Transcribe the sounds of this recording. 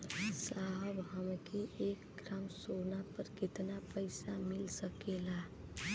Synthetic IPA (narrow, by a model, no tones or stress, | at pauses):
saɦəbɦəmkeʔekɡɾamsonapəɾkɪt̪napəɪsamɪlsəkela